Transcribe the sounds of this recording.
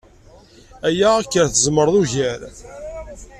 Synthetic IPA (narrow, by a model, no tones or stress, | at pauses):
æjæækːəɾθəzməɾˤðuʝæɾ